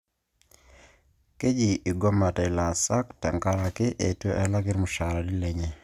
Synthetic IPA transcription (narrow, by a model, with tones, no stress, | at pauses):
ke˦d͡ʒi˨i˨ɡɔ˦ma˨ta˨i˨la˨sa˦ktɛ˨ŋka˦ɾa˨kɪ˦ʔe˨to˦ʔɛ˦la˦kɪ˦ɾmʊ˨ʃa˨ɾa˨li˦le˨ɲe˨